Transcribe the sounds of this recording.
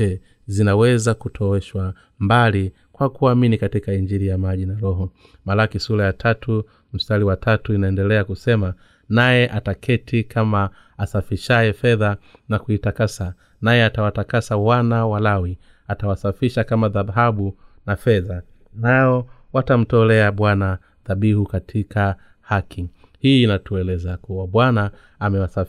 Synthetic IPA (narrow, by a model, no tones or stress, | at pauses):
ɛ | zinawɛzakutʰɔwɛʃwa | mbali | kwakuaminikatikaiɲd͡ʒiɾijamaʄinaɾɔɦɔ | malakisulajatʰatu | m̩staliwatʰatuinaɛndɛlɛakusɛma | najɛʔatakʰɛtikʰamaː | safiʃajɛfɛðanakuitakasa | najɛatawatakasawanawalawi | atawasafiʃakamaðaɦaɓunafɛða | naɔwatam̩tɔlɛaɓwana | ðaɓihukatʰika | hakʰi | hiːnatuɛlɛzakuwaɓwanaː | mɛwasa